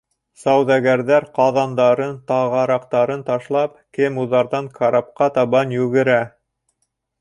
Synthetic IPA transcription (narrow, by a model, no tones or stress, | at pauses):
sɑwðæɡæɾðæɾqɑðɑnd̪ɑɾɤnt̪ɑʁɑɾɑqt̪ɑɾɤnt̪ɑʃlˠɑpkɘmuðɑɾðɑŋkʰɑɾɑp̚qɑt̪ɑβɑnjʉɡɘ̆ɾæ